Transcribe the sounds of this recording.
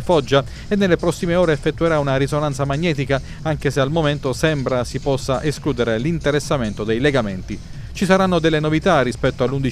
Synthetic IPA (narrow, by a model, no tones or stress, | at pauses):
fɔd͡ʒːa | enːelːepɾɔsːimeɔːɾeːfːet̪ːueɾaunaɾisonant̪samaɲːɛːt̪ika | aŋk̟esealmoment̪osɛmbɾasipɔsːaʔeskluːd̪eɾelint̪eɾesːament̪od̪ejleɡament̪i | t͡ʃisaɾanːod̪elːenovit̪arːispɛt̪ːoalːund̪i